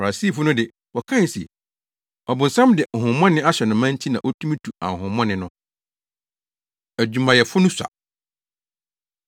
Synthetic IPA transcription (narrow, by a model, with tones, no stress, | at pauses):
fa˨a˨si˦˨fʊ˦nʊ̃˦dɪ˨ | wɔ˨kʰã˦˨si˨ɛ˨ | ɔ˨bʊ̃˨n̩˨sã˦mdɪ˨ŋ̩˨hʊ̃˨mɔ̃˦nɪ̃˦a˦ɕɛ˨nʊ̃˨mã˦n˦tʰi˦nã̰˨ʔɔ˦tʰũ˦mĩ˦tʰu˨a̰˨ŋ̩˨ɦʊ̃˨mːɔ̃˦nɪ̃˨˦nʊ̃˦ | æ˨d͡ʑᶣũ˨mã˨jɛ˨fʊ˦nʊ̃˦sa̰˨